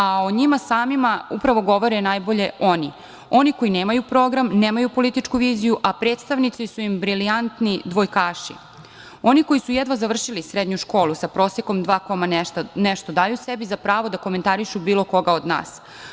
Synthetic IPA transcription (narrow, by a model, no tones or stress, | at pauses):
aoɲimasaːmimaupɾaʋo̞ɡo̞ʋo̞ɾenajbo̞ʎe̞o̞ni | o̞niko̞jine̞ːmajupɾo̞ːɡɾamneːmajupo̞lit̪it͡ʃkuʋiːzijuʔapɾe̞ːt̪st̪aʋnit̪sisuimbɾiliant̪nid̪ʋo̞jkaːʃḭ | o̞niko̞isujed̪ʋazaʋr̩ʃilisɾed̪ɲuʃko̞ːlusapɾo̞ːsjeko̞md̪ʋaːkomaneʃt̪o̞d̪aːjusebizapɾaːʋo̞d̪ako̞me̞nt̪aɾiʃubiːlo̞ko̞ɡao̞d̪na̰ːs